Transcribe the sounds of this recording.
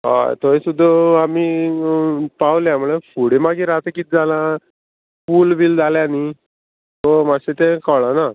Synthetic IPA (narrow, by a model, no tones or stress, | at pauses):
ɦa̰t̪ɔẽsud̪ʱːəami | pawljam̤uɭefuɽemaɡiɾat̪əkiːt̪̚d͡zalã | fuːlbiːld͡zaljani | t̪ɔmaset̪ẽkəɭana